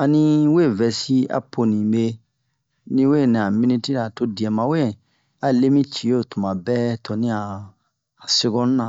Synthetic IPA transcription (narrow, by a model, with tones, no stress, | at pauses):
a˨nĩ˦we˦˨vɛ˨si˦a̰˨po˨nĩ˨me˦˧ | nĩ˦we˦˨nĩ˨a˨mĩ˦nĩ˦ti˦ɾa˨to˧di˨ɛ̃˨mã˨we˦ɛ̃˨ | a˨le˦mĩ˦t͡ʃi˨o˦˨tũ˨mã˨bɛ˦tɔ˨nĩ˦aː˨ | se˧ɡɔ̃˦ñ˦nã˨